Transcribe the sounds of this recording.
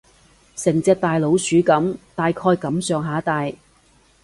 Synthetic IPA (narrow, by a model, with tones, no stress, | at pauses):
sɪ˨˩ŋt͡sɛː˧k̚t̪aː˨jlo˨˧˥wsyː˨˥kɐ˨˥mt̪aː˨jkʰɔː˧jkɐ˨˥msœː˨˧ŋɦaː˨˥t̪aː˨j